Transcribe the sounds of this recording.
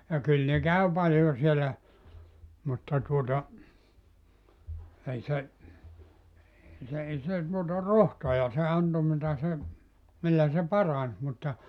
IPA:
jɑ kyl ne kæy pɑljo sielːæ mutːɑ tuotɑ ei se eː se ei se tuotɑ rohtojɑ se ɑnto mitæ se milːæ se pɑrɑns mutːɑ

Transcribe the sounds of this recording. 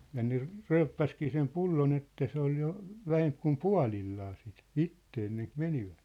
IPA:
jɑ ne ry̞ypːæskiː sem pulːon etːæ se ol jo ʋæhemp kum puɑ̝lilːɑː sit itːe enːeŋk meniʋæ̥t

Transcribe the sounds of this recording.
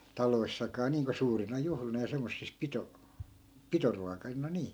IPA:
tɑloisːɑkɑː niːŋko suːrinɑ juhlinɑ jɑ semːosːis pito pitoruɑkɑinɑ niː

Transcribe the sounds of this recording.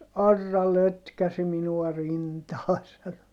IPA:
ɑrːɑ løtkæsi minuɑ rintɑː sɑno

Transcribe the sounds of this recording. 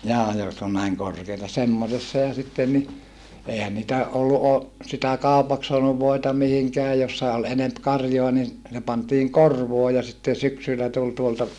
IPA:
jɑː jotk on næiŋ korkeitɑ semːosesːɑ jɑ sitːen ni eˑihæn nitæ ʔolːu ʔo sitæ kɑˑupɑks soɑnuʋ ʋoitɑ mihiŋkeæ josːɑ ol enemp kɑrjoɑ nin se pɑntiːŋ korʋoː jɑ sitːe syksylːæ tul tuoltɑ

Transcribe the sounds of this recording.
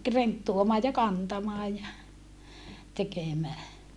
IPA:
rentːuomɑː jɑ kɑntɑmɑː jɑ tekemæː

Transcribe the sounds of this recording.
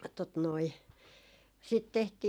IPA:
tot noi sit tehtiː

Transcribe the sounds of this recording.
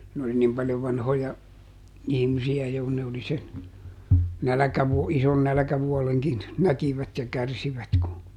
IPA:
n oli nim pɑljoʋ ʋɑnhojɑ ihmisiæ jo kun ne oli sen nælækæʋuo ison nælæ̆kæʋuoleŋkin nækiʋæt jɑ kærsiʋæt ku

